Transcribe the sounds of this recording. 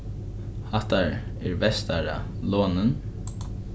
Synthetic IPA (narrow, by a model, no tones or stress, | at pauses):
haht̪aɹæɹvɛst̪aɹa̰loːnən